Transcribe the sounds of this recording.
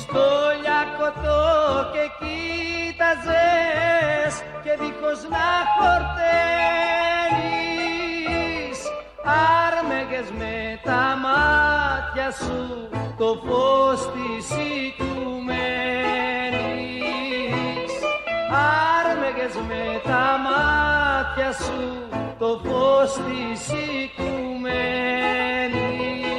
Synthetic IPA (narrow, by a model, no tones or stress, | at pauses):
st̪oʎakot̪okekit̪aze | s | keðikoznafoɾt̪e | ni | s | aɾmeɣezmet̪amat̪jasu | t̪ofost̪isikume | ni | saɾmeɣezmet̪amat̪çasu | t̪ofost̪isikume | ni